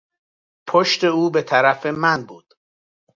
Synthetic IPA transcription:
pʰoʃt̪e̞uːbet̪ʰæɾæfemænbuːd̪̥

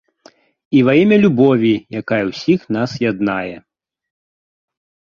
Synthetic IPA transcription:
ivajɛmʲɐlʲubɔvʲijakajɛwsʲixnasjad̪najɛ

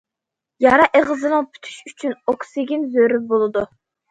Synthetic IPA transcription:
jɑɾɑʔeʁɨzɨnɨŋpʰy̥t̪ʰy̥ʃyt͡ʃʰynoksɪɡʲinzøɾybolˠɨd̪u

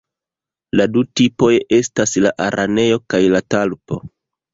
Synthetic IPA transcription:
ladutipo̞je̞staslaʔaɾʔane̞jo̞kajlatalpo̞̰

